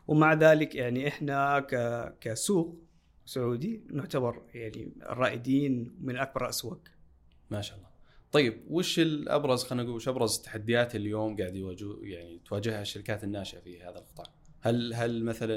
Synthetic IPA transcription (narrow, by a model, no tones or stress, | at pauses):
wmaʕðaːlɪkjaʕniʔɪħnakakasuːq | sʊʕuːd̪inʊʕt̪abɑɾˤjaʕnḭrˤːɑːʔɪd̪iːnmɪnʔak̚bɑɾˤʔaswaɡ | maːʃaːʔɑlˤːɑːt̪ˤɑjːɪb̚wɪʃɪlʔɑ̰bɾˤɑzxanaɡuɪʃʔɑbɾˤɑzɪt̪ːḁħad̪ːɪjaːt̪ɪljoːmɡaːʕd̪jwaːd͡ʒujaʕnit̪waːd͡ʒɪhhaʃːaɾɪkaːt̪ɪnːaːʃɪʔafihaːðalqɨ̥t̪ˤɑːʕhalɦalmaθala